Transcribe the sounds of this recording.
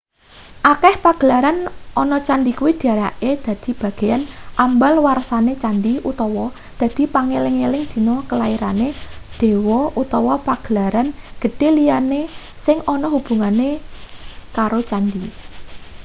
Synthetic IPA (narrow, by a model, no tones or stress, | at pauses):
ʔakɛhpaɡ̥əlaɾanʔɔnɔt͡ʃanɖikuwid̪̥iaɾaked̪̥ä̤d̪̥i̤b̥a̤ɡ̥e̤janʔambalwarsanet͡ʃanɖiut̪ɔwɔ | d̪̥ä̤d̪̥i̤paŋelɪŋelɪŋd̪̥i̤nɔkəlaiɾaned̪̥e̤wɔut̪ɔwɔpaɡ̥əlaɾanɡ̥ə̤d̥e̤lijane | sɪŋɔnɔhub̥ṳŋane | kaɾot͡ʃandi